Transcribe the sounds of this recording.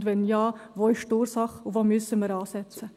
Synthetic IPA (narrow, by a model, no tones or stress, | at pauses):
dʋɛnjɑːʋoːɪʃtuːɾsɑχʊvoːmysəməɾɑːsɛt͡sə